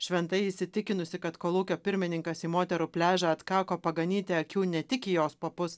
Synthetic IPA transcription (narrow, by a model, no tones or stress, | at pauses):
ʃʲʋʲɛnt̪ɐɪɪsʲɪt̪ʲɪkʲɪnʊsʲɪkɐt̪koːlˠuːkʲoːpʲɪɾʲmʲɪnʲɪŋkɐsiːmoːt̪ʲɛɾupʲlʲæːʒʲɛɐt̪kɑːkoːpɐɡɐnʲiːt̪ʲeɐkʲuːnʲɛt̪ʲɪkʲijoːspopʊs